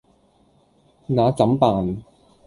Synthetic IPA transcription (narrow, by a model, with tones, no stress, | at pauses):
ŋaː˨˧t͡sɐ˨˥mpaː˨n